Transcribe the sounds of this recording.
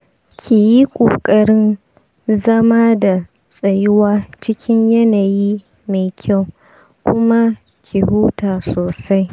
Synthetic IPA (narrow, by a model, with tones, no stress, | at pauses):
kʲʰiː˨ji˦kʷʼoː˨kʼɐ˦ɽɪ˦n | zɐ˦maː˦da˨ | sʼɐ˨jʊ˦waː˦t͡ʃɪ˦kʲɪ˦ɲjɐ˦naː˨jiː˦ | me˨kʲʰa˦˨w | kʷʊ˦ma˦ | kʰʲi˨hu˦taː˨soː˨sa˦j